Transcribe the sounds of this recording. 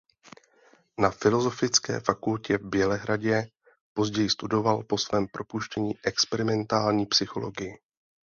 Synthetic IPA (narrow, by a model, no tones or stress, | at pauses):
nafɪlo̞zo̞fɪt͡skɛ̰ːfakulcɛvbjɛlɛɦɾaɟɛ | po̞zɟɛjɪst̪udo̞valpo̞svɛːmpɾo̞puʃcɛɲiːʔɛkspɛɾɪmɛnt̪aːlɲiːpsɪxo̞loɡɪjɪ